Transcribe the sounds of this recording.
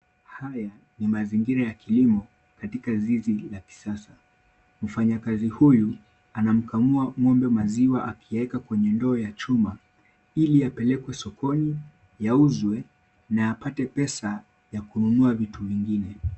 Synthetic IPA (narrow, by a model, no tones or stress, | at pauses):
haja | nimaziŋɡiɾajakilimɔ | katikazizilaki̥sasa | m̩faɲakazihuju | anam̩kamuamwɔmbɛmaziwaʔakʰijaɛkakwɛɲɛndɔːjat͡ʃuma | ilijapɛlɛkwɛsɔkʰɔni | jauzwɛ | naapatɛpɛsa | jakununuavituviŋɡinɛ